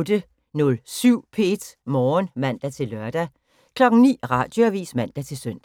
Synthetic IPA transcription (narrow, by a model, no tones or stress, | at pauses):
d̥ə | nɔ̽lsyʊ̰pʰe̝d̥mɒːnmæn̰d̥æt͡sʰe̝lɶɐd̥æ | kʰlɒ̽ɡ̥ŋ̩nḭːʁɑ̈ːd̥joæʋḭːsmæn̰d̥æt͡sʰe̝lsœn̰d̥